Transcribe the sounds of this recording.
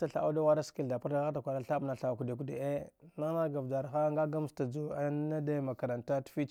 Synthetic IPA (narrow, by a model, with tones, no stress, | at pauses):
ta˨ɬa̰˨ʔa˦da˦wa˦ɾa˦ski˦lda˨pa˦ɾda˦ɣta˨kʷa˨la˦ɬa˦bna˨ɬa˨ku˨de˨ku˨dḛ˨e˦na˦na˦ɡa˨vda˨ɾxa˦ŋɡa˦ɡa˦m˦sta˨d͡zu˨a˦na˦da˦ma˨ka˨ɾa˨nta˦tfi˦t͡ʃ